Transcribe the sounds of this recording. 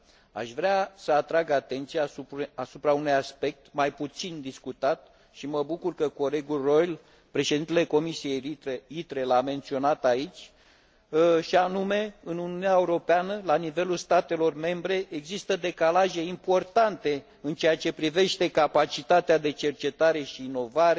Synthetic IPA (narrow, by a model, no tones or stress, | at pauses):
a̰ʃvɾeasəat̪ɾaɡat̪e̞nt̪sijauasupɾaunujaspe̞k̚t̪majput̪sind̪iskut̪at̪ | ʃiməbukurkəko̞le̞ɡulro̞jl | pɾe̞ʃe̞d̪int̪eleko̞misije̞jiɾeit̪ɾe̞lame̞nt̪sio̞nat̪ait͡ʃʲ | ʃianume̞ɨnuniunaeuɾo̞peanəlanive̞lulst̪at̪e̞lo̞rme̞mbɾe̞ʔeɡzist̪əd̪e̞kalaʒe̞impo̞rt̪ant̪e̞ | ɨnt͡ʃejat͡ʃe̞pɾive̞ʃt̪e̞kapat͡ʃit̪at̪ead̪e̞t͡ʃe̞rt͡ʃe̞t̪aɾe̞ʃiːno̞vaɾe